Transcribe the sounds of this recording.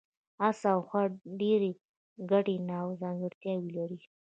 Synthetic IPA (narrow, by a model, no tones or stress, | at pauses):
asawxwaɖeɾe | ɡaɽenɑwzɑŋɡɪɾt̪jɑwilaɾi